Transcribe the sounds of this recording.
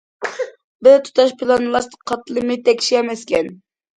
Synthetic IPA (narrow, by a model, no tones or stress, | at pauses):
bɪzt̪ʰu̥t̪ʰɑʃpʰɨlˠɑnɨlˠɑɾt̪əqʰɑt̪ːɨlˠɨmɨt̪ʰɛkʲʰi̥ʃiɛmɛskʲɛn